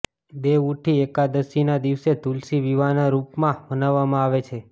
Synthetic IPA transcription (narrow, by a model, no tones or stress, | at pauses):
d̪eʋuʈʰiekad̪əsinad̪iʋset̪ulsiʋiʋanaɾupmãmənaʋːamãaʋet͡ʃʰe